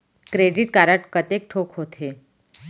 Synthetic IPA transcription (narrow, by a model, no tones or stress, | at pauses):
kɾeɖiʈkaːɾəʈkət̪ek̚ʈʰoːkɦoːt̪ʰe